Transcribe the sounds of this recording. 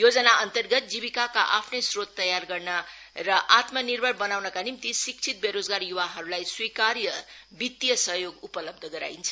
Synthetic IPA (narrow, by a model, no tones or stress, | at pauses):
jod͡zʌnaʔʌnt̪ʌrɡʌt̪̚d͡ziβikakaʔapʰnʌjsrot̪ːʌjarɡʌrnʌ | rʌʔat̪mʌnirbʱʌɾbʌnawnʌkanimt̪isik̚t͡sʰit̪̚beɾod͡zɡarjuwaɦʌɾulajswikaɾjʌ | bit̪jʌsʌɦjoɡupʌlʌb̚d̪ʱʌɡʌɾa̰int͡sʰʌ